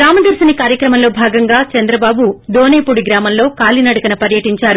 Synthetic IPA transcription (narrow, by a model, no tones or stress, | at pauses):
ɾaːmɐd̪ɐɾsɐnikaːɾjɐkɾɐmɐnlo̞ːbʱaːɡɐŋɡaːt͡ʃɐnd̪ɾɐbaːbud̪oːneːpuɽiɡɾaːmɐnlo̞ːkaːlinɐɽuɐkɐnɐpɐɾjɐʈiɲt͡ʃaːɾu